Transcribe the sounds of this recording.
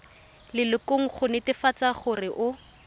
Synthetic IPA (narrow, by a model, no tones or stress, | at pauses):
lɪlɪkoŋ̩χʊnɪtɪfat͡saχʊrɪʔʊ